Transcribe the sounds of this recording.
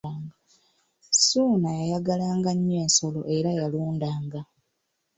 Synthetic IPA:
ŋɡ | suːnajajaɡalaːŋɡaɲːe̞ːnso̞lo̞ʔeɾajaluːndaːŋɡa

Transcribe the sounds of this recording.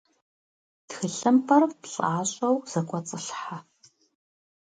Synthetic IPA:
txɨɬɨmpʰɐrpɬʼaːɕʼɐwz̥ɐkʷʼɔt͡sʼɨɬħa

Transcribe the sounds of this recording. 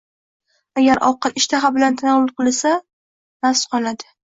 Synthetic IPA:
aɡʲaɾʔɒ̰qɨlɪʃt̪ʰaχabɪlant̪ʰanɒwlˠɨqɨlˠasa | nasqʰɒlad̪ɪ

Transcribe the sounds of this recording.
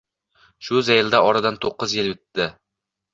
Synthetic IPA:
ʃʊzejɪld̪aʔɒɾad̪ant̪ʰoqːɨzjɪljɵt̪ːɪ

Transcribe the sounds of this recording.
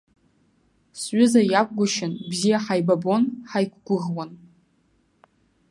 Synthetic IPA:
sɥʷʊzajak̚ʷʰʼɡʷʊʃɪnbzijaħajbabo̞nħajkʷɡʷʊʁwan

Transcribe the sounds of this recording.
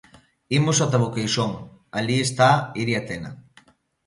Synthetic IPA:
imusat̪̬aβokejʃoŋaliest̪aiɾiat̪ena̰

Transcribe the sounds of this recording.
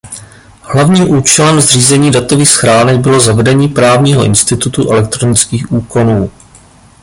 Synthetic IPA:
hlavɲiːmʔuːt͡ʃɛlɛmzriːzɛɲiːdat̪o̞viːxsxɾaːnɛɡ̚bɪlo̞zavɛdɛɲiːpɾaːvɲiːɦo̰ʔɪ̰nst̪ɪt̪ut̪uʔɛlɛk̚t̪ɾonɪt͡skiːxʔuːko̞nuː

